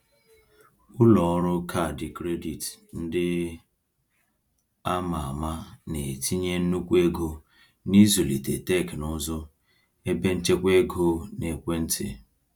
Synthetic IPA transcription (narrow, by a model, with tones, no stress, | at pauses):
ʊ˦lɔ˨ɔ˦ɾʊ˦kʰa˦˨dɪ˨kɾe˦di˨tn̩˦dɪ˦ | a˦ma˨a˨ma˦ne˨tʰi˦ɲe˦n̩˦nu˦kʷe˦ɡo˨ | ni˦zo˨li˨te˨te˦˨knʊ˦zɔ˦ | e˦be˦n̩˦t͡ʃe˦kʷe˦ɡo˦ne˨kʷe˦n̩˦tʰɪ̰˨